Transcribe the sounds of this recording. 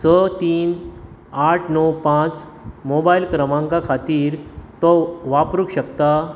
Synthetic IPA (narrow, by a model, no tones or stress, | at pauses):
sət̪iːn | aʈʰnɔwpãt͡s | mobailkɾəmãŋkakʰat̪iːɾt̪ɔʋapɾukɕəkt̪a